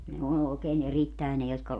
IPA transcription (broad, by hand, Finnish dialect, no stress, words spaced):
ne on oˑekeːn eritːæe ne jotkɑ